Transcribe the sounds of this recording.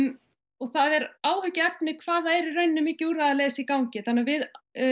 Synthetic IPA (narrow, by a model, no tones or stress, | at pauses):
ɔɣθaðɛɾaːwhʏcɪɛp̚nɪkʰvaːðaɛɾɪrœɥnːʏmɪːcɪuɾaðaleːsikawɲcɪθanːavɪð